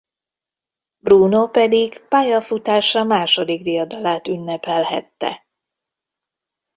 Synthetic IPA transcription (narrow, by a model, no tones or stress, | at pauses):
bruːnopɛd̪iɡpaːjɒfut̪aːʃɒmaːʃod̪iɡd̪ijɒd̪ɒlaːt̪ynːɛpɛlɦɛ̰t̪ːɛ̰